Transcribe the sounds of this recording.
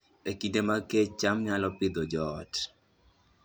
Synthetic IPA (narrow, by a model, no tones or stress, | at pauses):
ekidemaket͡ʃamɲalɔpɪd̪ɔd͡ʒɔt